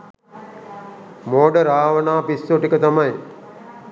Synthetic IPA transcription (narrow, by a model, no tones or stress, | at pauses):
moːɖəɾaːʋənaːpisːoʈikət̪amaj